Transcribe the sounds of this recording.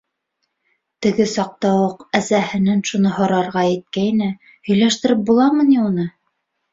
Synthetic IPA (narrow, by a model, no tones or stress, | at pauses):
t̪ɘ̆ɡɘsɑq̚t̪ɑwɤqæsæhɘ̆nænʃunɤɦɤ̆ɾɑɾʁɑjɘ̆t̪̚kæjnɘ | hɵ̆jlæʃt̪ɘ̆ɾɘp̚bulˠɑmɤ̆niunɤ